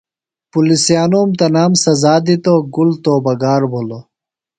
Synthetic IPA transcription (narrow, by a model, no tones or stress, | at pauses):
pulisjaːnoːmt̪ɐnaːmsɐzaːd̪it̪oɡult̪oːbɐɡaːɾbʱolo